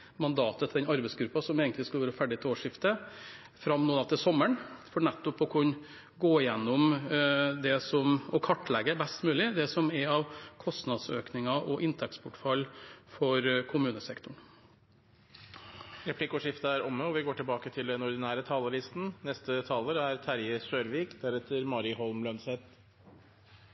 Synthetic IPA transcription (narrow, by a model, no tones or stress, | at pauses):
mɑnd̪ɑːt̪ət̪ʰɪɛnɑɾbɛɪsɡɾʉpːɑsɔmeːɡənt̪ɪskʉləʋæːɾəfæɖɪt̪ʰoːʂɪft̪ə | fɾɑmnoːd̪ɑt̪ɪsɔmːəɳfɔɳɛt̪ːʊpɔkʰʊn | ɡoːɪjɛnːʊm | d̪ɛsɔmɔkʰɑʈːlɛɡəbɛst̪mʉːlɪd̪ɛsɔmɛɾɑʋkʰɔst̪nɑd̪søːknɪŋɑʔɔʔɪnt̪ʰɛkspʰʊʈfɑlfɔɾkʰʊmʉːnəsɛkt̪ʊɳ | ɾɛpʰlɪkːɔʂɪft̪əæɾʔɔmːəɔʋɪɡoːʈɪlbɑːkət̪ʰɪld̪ɛnɔɾd̪ɪnæːɾət̪ʰɑːləɾɪst̪n̩nɛst̪ət̪ʰɑːləɾæɾt̪ʰæɾjəsøːɾʋiːkd̪æɾɛt̪əɾmɑɾɪhɔlmlœnsɛt̪